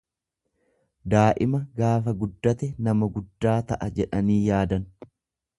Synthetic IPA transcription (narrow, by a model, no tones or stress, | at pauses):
d̪aːʔɪmɐɡaːfɐɡʊd̪ːɐt̪ɛnɐmɐɡʊd̪ːaːt̪ɐʔɐd͡ʒɛᶑɐniːjaːd̪ɐn